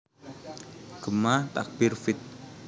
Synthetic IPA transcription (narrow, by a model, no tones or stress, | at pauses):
ɡ̥əmat̪a̰k̚b̥ɪrfɪt̪̚